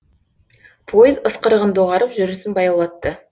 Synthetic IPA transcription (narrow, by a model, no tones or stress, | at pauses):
pʰojɪzəsqəɾəʁənd̪oʁɑɾəpʒʏɾɪsɪnbɑjɑlˠɑt̪ːə